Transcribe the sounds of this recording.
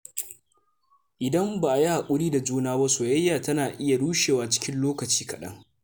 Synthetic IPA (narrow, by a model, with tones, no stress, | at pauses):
ʔɪ˨dɐ˦mbaː˨ʔa˨ja˦ha˨kʷʼʊ˦ɽiː˦da˨d͡ʒuː˦naː˦bɐ˦soː˨jɐ˦jːaː˨tɐ˦naː˨ʔɪ˦ja˨ɽuː˦ʃeː˨waː˨t͡ʃɪ̥˦kʲɪ˦nloː˦kɐ˨t͡ʃi̥ː˦kɐ̰˨ɗɐ̰˦ŋ